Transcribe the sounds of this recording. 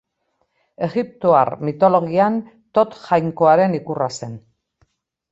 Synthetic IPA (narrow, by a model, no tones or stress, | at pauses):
e̞ɣip̚t̪oarmit̪o̞lo̞ɣ̞ian | t̪o̞t̪ʝajŋko̞aɾe̞nikurase̞n